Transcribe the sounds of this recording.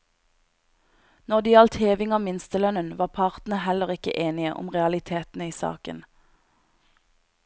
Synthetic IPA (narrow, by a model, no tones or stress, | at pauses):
nɔʁd̪iːɑlt̪heːʋɪŋɑːmɪnst̪əlœnənʋɑːpʰɑʁt̪n̩əhɛləʁɪkə̰ʔeːnɪə̰ʔʊ̰mʁɛɑlɪt̪ʰeːt̪n̩əiːsɑ̰ːkə̰n